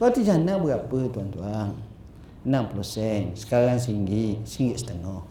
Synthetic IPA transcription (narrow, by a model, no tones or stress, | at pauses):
at̪id͡ʒanaʔbəɡapət̪uant̪uaŋ | namplosɛnsə̥kaɾaŋs̬iŋɡiʔsiŋɡiʔsə̥t̪əŋɔh